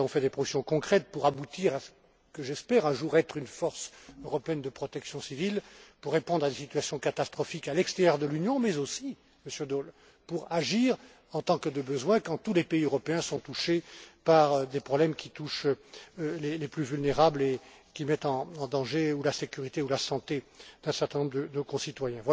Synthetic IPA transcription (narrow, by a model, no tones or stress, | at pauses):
ɔ̃fɛd̪epχɔsjɔ̃kɔ̃kχɛt̪̚puʁabut̪iʁasə̥ | kəʒɛspɛʁɛ̃ʒuʁɛt̪χynfɔʁsøʁɔpeɛnd̪əpχɔt̪ɛksjɔ̃sivilpuʁːepɔ̃d̪ʁad̪esit̪ɥasjɔ̃kat̪ast̪χɔfikalɛkst̪eʁjœʁd̪əlynjɔ̃mɛzosi | məsjød̪ol | puʁaʒiʁ | ɑ̃t̪ɑ̃kəd̪əbəzwɛ̃kɑ̃t̪ulepeiøʁɔpeɛ̃sɔ̃t̪uʃepaʁd̪epχɔblɛmkʲit̪uʃ | leleplyvylneʁable | kʲimɛt̪ɑ̃ːd̪ɑ̃ʒeulasekʲyʁit̪eulasɑ̃t̪ed̪̥ɛ̃sɛʁt̪ɛ̃nɔ̃bʁd̪əd̪okɔ̃sit̪wajɛ̃vwa